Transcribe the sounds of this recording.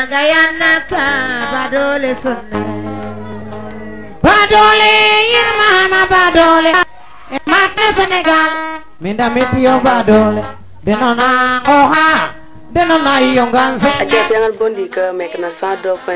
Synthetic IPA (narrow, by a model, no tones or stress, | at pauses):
aɡajanːakabadolesunːe | badolejinmahamabadole | emat̚neseneɡan | mindamitijobadole | denɔnaŋoɦa | denɔnaijoŋɡansead͡ʒapaŋabondikəmɛkənasadofɛ